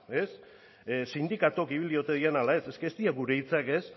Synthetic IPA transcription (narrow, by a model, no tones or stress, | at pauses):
e̞s | sind̪ikat̪okiβ̞ilio̞t̪e̞ðienalae̞se̞skeːst̪iaɡuɾe̞it͡sake̞s